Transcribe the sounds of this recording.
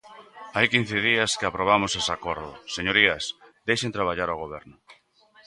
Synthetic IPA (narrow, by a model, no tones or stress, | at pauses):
ajkin̟θɪð̞iɐskɪapɾoβ̞amʊsesakoɾðʊ̰seɲoɾiɐsd̪ejʃent̪ɾaβ̞aʎaɾoɣ̞oβ̞ɛɾnʊ